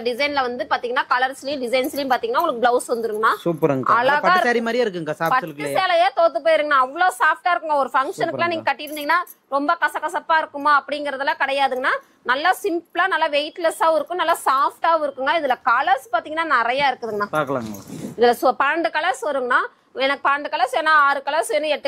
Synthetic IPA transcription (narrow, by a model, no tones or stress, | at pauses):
ɖɪzɐɪnlɐʋɐnd̪ɯpaːɾt̪iːŋɡɐnːaːkɐlɐɾslɐjʊ̃ɖɪsɐɪnslɐjʊ̃paːɾt̪iŋɡɐnːaːʊŋɡɐɭɯkːɯblɐʊsʋɐnd̪ɯɾɯŋɡɐnaːsuːpɐɾɐŋɡɐɐlaːɣɐaːɪɾsaːɾimaːɾɪjaːɪɾɯkːɯŋɡɐsaːpɐkːɯseːlɐjaːt̪oːt̪ːɯpoːjɪɾɯːŋɡɐnãːɐʋːɐɭoːsaːfʈaːɪɾɯkːɯŋɡɐɔɾɯfɐŋkʂɐnɯːɯlãːnĩːŋɡɐkɐʈːɪɪɾɯnd̪iŋɡɐnaː | ɾɔmbɐkɐsɐkːɐsɐpːaːɪɾɯkːɯmɐɐpːɐɽɪŋɡɪɾɐðɐlãːkɐɽɐjaːðɯŋɡɐnaː | nɐlːasɪmplaːnɐlːaʋejʈlɐsaːʋɪɾɯkːʊ̃nɐlːaːsaːfʈaːɪɾɯkːɯŋɡɐɪðɪlɐkɐlɐɾspaːɾt̪iːŋɡɐnːaːnɛɾɐjaːɪɾɯkːɐðɯŋɡɐnãːpaːkɐla̰ːŋɡɐ̰ɪðɪlɐspɐɾɐɳɖɯkɐlɐsɐɾɯŋɡɐnaː | ɛnɐkːɯpɐɾɐɳɖɯkɐlɐɾsɛnãːaːɾɯkɐlɐsnːɯɛʈːɯ